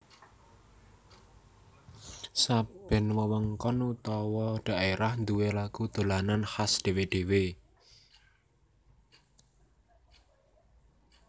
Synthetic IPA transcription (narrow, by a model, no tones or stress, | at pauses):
sab̥ɛ̤nwəwəŋkɔnut̪ɔwɔɖ̪̥a̤ʔeɾahnd̪uwelaɡ̥ud̪̥o̤lananhasd̪̥e̤weɖ̪̥e̤we